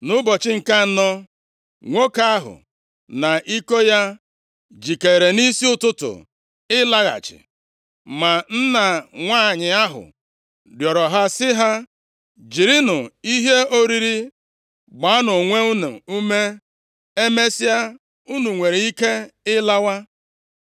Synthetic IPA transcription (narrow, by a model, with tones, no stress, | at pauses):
nʊ˦bɔ˨t͡ʃɪ˦ŋ̩˨ka˦n̩˦nɔ˦ | ŋʷo˦ka˦a˦ɦʊ̰˨ | na˨ʔi˦ko˦ja˦ | d͡ʒi˨ke˨ɾe˨ni˦si˦ʊ˦tʊ˦tʊ̰˨ | ɪ˦la˦ɣa̰˨t͡ʃɪ̰˨ | ma˨n̩˦na˨ŋʷaː˦˨ɲɪ˨a˦ɦʊ̰˨ | djɔ˨ɾɔ˨ɦa˦sɪ˦ɦa˦ | d͡ʒi˨ɾi˦nʊ˨i˦ɦe˦o˦ɾi˦ɾi˦ | ɡ͡ba˨a˦nʊ˨ŋʷe˦u˦nṵ˨u˦me˦ | e˦me˦si˦a˦ | u˦nu˨ŋʷe˨ɾe˨i˦ke˦ɪ˦la˦wa˦